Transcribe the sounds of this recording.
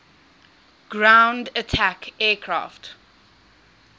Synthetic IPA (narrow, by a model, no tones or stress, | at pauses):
ɡ̥ɹãʊ̃ndətʰakɛːkʰɹa̰ːft